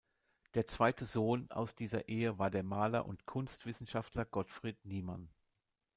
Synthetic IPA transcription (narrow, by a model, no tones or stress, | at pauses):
d̥eːɐt͡sv̥aɪtʰəzoːna̰ʊsd̥iːzɐ̰ʔeːəvaːɐdeːɐmaːlɐ̰ʔʊ̰ntkʰʊnstv̥ɪsn̩ʃaftlɐɡ̥ɔtfʁ̥iːtniːman